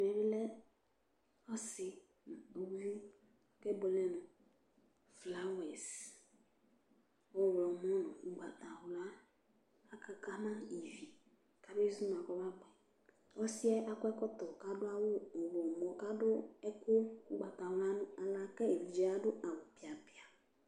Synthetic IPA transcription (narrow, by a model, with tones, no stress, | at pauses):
mɛ˨bɪ˦lɛ˦ | ɔ˦sɪ˨ | n˨u˨˦ju˦ | kɛ˦bo˨lɛ˦nʊ̃˨ | fla˦wɛ˨s | wɔ˦˨wlɔ˨mɔ˦nɔ̃˨i˨ɡ͡ba˨t̪a˨wʊ˨laː˦ | ka˨ka˦mã˦i˨vi˨ | ka˦be˦zu˦m˨a˨kɔ˦ba˦ɡ͡bɛ˨ | ɔ˦sɪ˦ɛ˦ʔa˦kɛ˦kɔ˦t̪ɔ˨ka˦dʊ˦a˦wʊ˦˨wɔ˨mɔ˨ka˦dʊ˦ɛ˦kʊ˦ku˦ɡ͡ba˨t̪a˨˦a˦nʊ̃˦a˨la˨˦kɛ˦e˨li˨d͡ʒɛ˨˦a˦dʊ˦a˨wʊ˨pi˨a˨pɪ˨a˨